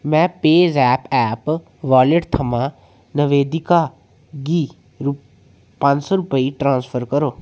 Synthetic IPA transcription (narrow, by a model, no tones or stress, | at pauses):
mɛ̃ːpeːzɛːpɛːp | ʋaːlɪʈt̪ʰəmãː | nəʋeːd̪ɪkaː | ɡiː | ɾ | pə̃nd͡ʒsɔɾʊpəiʈɾãːnspʰəɾkəɾoː